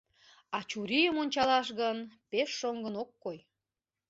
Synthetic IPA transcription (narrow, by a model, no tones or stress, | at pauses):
ɑt͡ɕuɾijəmonʲt͡ɕɑlɑʃɣənpeʃːoŋɡənokːoj